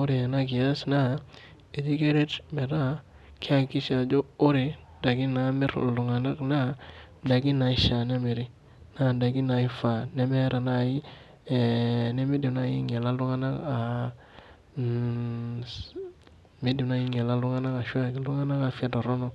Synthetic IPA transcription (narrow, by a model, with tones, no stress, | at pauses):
o˦ɾi˨a˨na˦ɡi˨ja˦sna˦ | e˨d͡ʒi˦ɡe˦ɾe˦tme˨ɾa˦ | kʰi˦a˦ki˦ʃa˨d͡ʒo˦o˦ɾi˨ | da˨ɡi˦na˨˦mi˦ɾ̰lu˨ŋa˨na˦kna˦da˨ɡi˦na˨i˦ʃa˨ne˦me˨ɾi˦ | na˦˨da˨ɡi˦na˨i˦fa˨ne˦me˦ɾa˨na˦i˦˨ | ne˦mi˦di˨na˦ji˦ŋe˨la˦lu˦ŋa˦na˦ka˨ | mi˦di˨mna˦ji˦ŋe˨la˦lu˦ŋa˦na˦ka˨ʃwa˦ki˨lu˦ŋa˦na˦ka˨fa˦do˨ɾo˦no˦